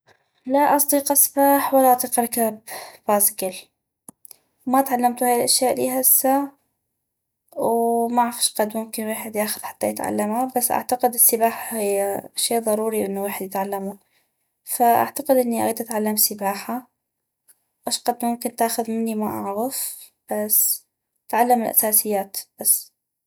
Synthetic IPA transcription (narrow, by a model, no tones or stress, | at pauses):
laʔɑsˤd̪iːqɑsbaːħwalːaʔɑt̪ˤiːqʔɑɾˤkabbasɡɪl | mat̪ʕalːamt̪uhaːjɪlʔaʃjaːʔlḭːɦasːa | wmaʕafḁʃqɑd̪mʊmkɪnweːħɪd̪jaːxʊðħḁt̪ːajɪt̪ʕa̰lːamabasːʔa̰ʕt̪aqɪd̪ɪsːɪbaːħahɪjaʃeːʔðˤɑɾˤuːɾiʔɪnːuweːħɪd̪jɪt̪ʕalːamu | faʔa̰ʕt̪aqɪd̪ʔɪnːiʔa̰ɣiːd̪ʔat̪ʕalːamsɪbaːħa | ʔaʃqɑd̪mʊmkɪnt̪aːxʊðmɪnːimaʔa̰ʕɣɪf | b̥as | t̪ʕalːamɪlʔa̰saːsɪjːaːt̪b̥asː